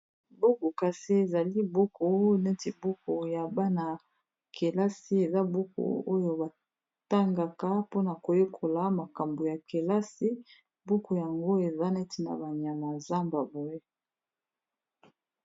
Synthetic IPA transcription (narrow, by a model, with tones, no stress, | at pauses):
bo˦ko˨ka˨si˦e˨za˨li˦bo˦kʰo˨˦ne˦ti˨bo˦ko˨ja˨ba˦na˨ | ke˨la˦si˦e˨za˦bu˦ko̰˨o˦jo˦ba˨ | ta˦ŋɡa˨ka˦po˦na˨ko˨jo˦kʰo˨la˨˦ma˨ka˨mbo˨ja˨ke˨la˦si˦ | bu˦ko˨ja˨ŋɡo˦e˨za˦nɛ˦ti˨na̰˨ba˨ɲa˨ma˨za˦mba˨bo˨je˦